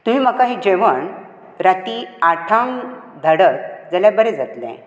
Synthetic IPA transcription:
t̪uɦiːməkaɦid͡ʑeʋəɳ | ɾat̪iːaʈʰãŋd̪ʱəɽəɾd͡zaljabəɾed͡zat̪lɛ̰̃

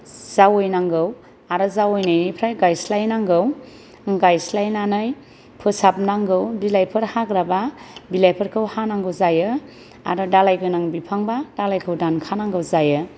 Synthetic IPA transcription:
z̥awɯjnaŋɡɯw | aɾɔzawɯjnɯjnijpʰɾajɡajslajnaŋɡɯw | ɡajslajnanɯj | pʰɯsap̚naŋɡɯwbilajpʰɯɾhaɡɾababilajpʰɯɾkʰɯwhanaŋɡɯwzajɯ | a̰ɾɔdalajɡɯnaŋbipʰaŋbadalajkʰɯwdankʰanaŋɡɯwzajɯ

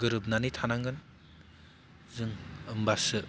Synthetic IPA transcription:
ɡɯɾɯb̚nanijtʰanaŋɡɯn | zɯŋɯmbasɯ

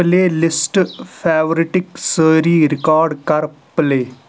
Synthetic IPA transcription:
leːlɪsʈpʰɛːʋɾiʈɪksəːɾiːɾɪkaːɾɖkɐɾpleː

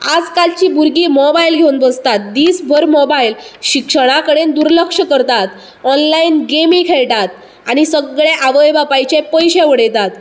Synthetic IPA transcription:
ad͡zkalt͡ɕiːbuɾɡiːmɔbailɡʱeunbəst̪at̪̚d̪iːsbʱəɾmɔbailɕikʂəɽ̃akəɽend̪uɾləkʂəkəɾt̪at̪ | ɔnlainɡemikʰeɭʈ̪at̪̚ | aɽ̃isəɡɭeʔaʋəjbapajt͡ɕepəjɕeʋəɽejt̪at̪

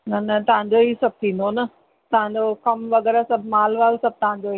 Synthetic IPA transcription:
nɐnɐt̪ɐʋãɲd͡ʑoɦisɐb̚ʱt̪ʰĩːn̆d̪onɐ | t̪ɐʋ̤ãɲd͡ʑokɐmʋɐɣɛːɾasɐbʱmaːlʋaːlsɐb̚t̪ɐʋ̤ãɲd͡ʑoi

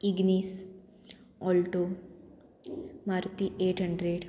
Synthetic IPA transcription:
iɡniːs | ɔːlʈo | maɾt̪iʔeːʈɦəɳɖɾeɽ

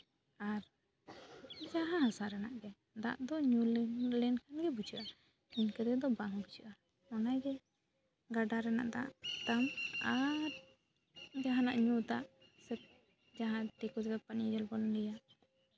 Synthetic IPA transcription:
aɾ | d͡ʒaɦãɦasaɾɛnaʔɡɛ | d̪a̰ʔd̪ɔɲullɛnkʰanɡɛbut͡ʃuʔa | kinkɛd̪ɛd̪ɔbaŋɡut͡ʃuʔa | ɔnajɡɛ | ɡaɖaɾɛna̰ʔd̪a̰ʔt̪amaɾ | d͡ʒaɦanaʔɲut̪aʔsɛp̚ | d͡ʒaɦãt̪ɛkɔtɡapanid͡ʒɔlbɔlɔnɛjaʔ

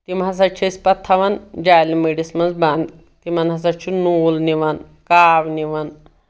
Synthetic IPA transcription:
t̪imas̬at͡ʃʰespɐt̪ʰːaʋand͡ʒajlimiɽismɐnzband̪ | t̪im̤anɦɐs̬at͡ʃʰunolniʋan | kaːʋniʋan

